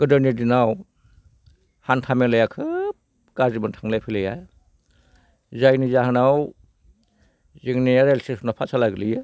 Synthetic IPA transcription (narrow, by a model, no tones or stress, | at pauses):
ɡ̥ɯdanidinaw | hantʰamelajakʰɯ | ɡ̥azibɯntʰaŋlajpʰilajaj | zajnizaɦanaw | ziŋnijaɾelsesʰnapʰasʰalaɡɯlijɯ